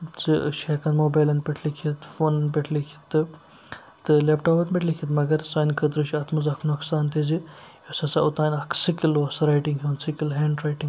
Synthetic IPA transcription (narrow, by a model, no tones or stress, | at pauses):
t͡sɨ̰ʃeːkɐnmoːbaːlɐnpeʈʰlikʰit̪foːnɐnpeʈʰlikʰi̥t̪ɨ | t̪ɨlepʈoːpɐt̪meʈʰlikʲʰit̪mɐɡɐɾsaːnkʰəd̪ɾɨʃiɐt̪ʰmɐzɐkʰnɐkʰsaːnt̪ʰizi | josɐsɐut̪aːnʲɐkʰsikilɐsɐɾajʈiŋɡɦʲiːnsikilɦeːɳɖɾaːjʈiŋɡ